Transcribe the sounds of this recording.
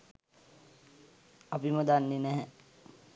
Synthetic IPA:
apiməd̪anːenɛɦɛ

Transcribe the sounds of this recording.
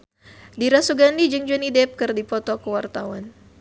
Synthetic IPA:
diɾasuɡandid͡ʒəŋd͡ʒunidɛp̚kərdipɔt̪ɔkəwart̪awan

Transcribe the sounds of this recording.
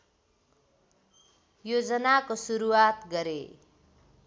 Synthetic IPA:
jod͡zʌnakosuɾuwat̪ɡʌɾe

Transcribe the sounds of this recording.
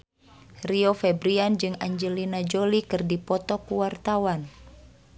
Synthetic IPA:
riɔfɛbɾiand͡ʒɨŋaɲd͡ʒɛlinad͡ʒolikɨrdipɔt̪ɔkuwart̪awan

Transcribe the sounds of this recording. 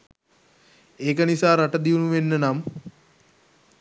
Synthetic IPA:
eːk̬ənisaːɾaʈəd̪iunuʋenːənam

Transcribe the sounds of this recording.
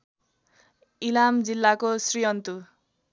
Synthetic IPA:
ilamd͡zilːakosrijʌnt̪u

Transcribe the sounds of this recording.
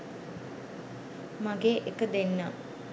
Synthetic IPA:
maɡeːʔekəd̪enːa

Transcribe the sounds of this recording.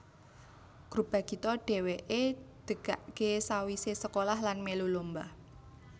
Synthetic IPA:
ɡ̥ɾub̥a̤kit̪ɔɖ̥ɛ̤weʔed̪̥ə̤ɡ̥aʔkesawisesəkolahlanmelulomba

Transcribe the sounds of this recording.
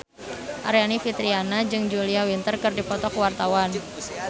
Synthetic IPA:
ʔaɾjanifit̪ɾianad͡ʒɨŋd͡ʒuliawint̪ərkɨrdipɔt̪ɔkwart̪awan

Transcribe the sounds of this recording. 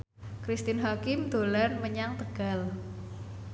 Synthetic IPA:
kɾist̪ɪnɦakɪmd̪̥o̤lanməɲaŋt̪əɡ̥a̤l

